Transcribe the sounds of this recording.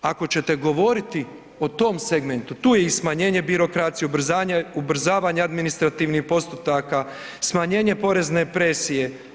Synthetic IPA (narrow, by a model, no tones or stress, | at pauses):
ako̞t͡ɕe̞t̪eɡo̞ʋo̞ɾit̪i | o̞t̪o̞mseɡment̪ut̪uːjeismaɲe̞ːɲe̞biɾo̞kɾat̪sijeubɾ̩zaːɲeubɾ̩zaːʋaɲead̪minist̪ɾat̪iʋnixpo̞st̪ut̪aka | smaɲe̞ːɲe̞po̞ɾe̞znepɾe̞sije̞